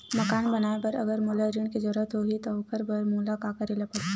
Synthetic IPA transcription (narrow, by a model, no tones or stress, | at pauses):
mɐkaːɳbɐnaːebɐɾɐɡəɾmulaɾiɳ̃ked͡ʒɔːɾət̪ɦoɦit̪oʊkʰəɾbəɾmuːlakakəɾelapɐɽ